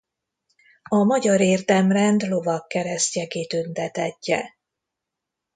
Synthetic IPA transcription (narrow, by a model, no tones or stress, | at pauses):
ɒmɒɟɒɾeːrd̪ɛmrɛnd̪lo̞vɒkːɛɾɛst̪jɛkeːt̪ynt̪ɛt̪ɛcːɛ̰